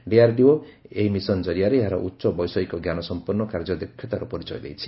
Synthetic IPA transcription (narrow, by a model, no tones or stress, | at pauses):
ɖiaɾɖioeɦimisɔnd͡ʒɔɾiaɾeeɦaɾɔ̰ʔutːʃɔbɔjsɔikɔɡjanɔsɔmpuɾnːɔkaɾd͡ʒɔd̪ekʰːjɔt̪aɾupɔɾit͡ʃɔjd̪ejt͡ʃʰi̥